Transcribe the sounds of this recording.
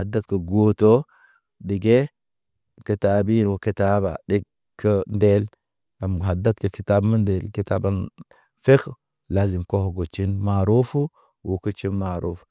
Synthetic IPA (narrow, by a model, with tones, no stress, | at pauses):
a˨da˦t̪kə˨ɡo˦to˦ | ɗi˨ɡe˦ | ki˨ta˨bi˦nwo˨ki˨ta˦ba̰˨ɗi˦ | kʰːə˦nde˦l | a˨m˨ɦa˨dːa˦t̪kə˨ki˨ta˦bmə˦nde˨lki˦taː˦ba˦n | fe˦x | la˨zi˨mko˦ho˨ɡo˨t͡ʃi˦nma˨ɾu˦fu˦ | wʔo˨kə˦t͡ʃi˦nma˨ɾu˦f